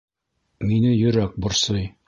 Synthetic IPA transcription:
minɘjɵ̆ɾæk̚bŏɾsɤj

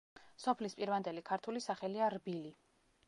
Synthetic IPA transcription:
sɔpʰlispʼiɾvand̪ɛlikʰaɾt̪ʰulisaχɛliaɾbili

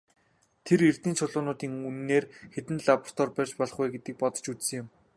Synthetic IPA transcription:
t̪ʰerer̥t̪iːnt͡ɕʰʊɮʊːnʊːt̪iːŋunnːeːrxet̪ɘ̆nɮapr̥t̪ʰɔrpærʲt͡ɕpɔɮɞ̆χuːɡet̪ɘ̆k̚pɔt̪ɞ̥̆t͡ɕut͡ssɘ̆ŋjʊm

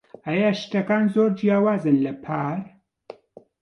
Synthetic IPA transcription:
ʔɐjaʃt̪ɐkaːnzoːɾd͡ʒjaːwaːzɨnlɐpʰaːɾ

